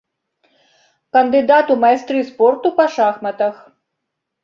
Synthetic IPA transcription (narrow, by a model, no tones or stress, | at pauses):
kɐnd̪ɨd̪at̪umɐjst̪ɾɨspɔrt̪upɐʂaxmɐt̪ɐx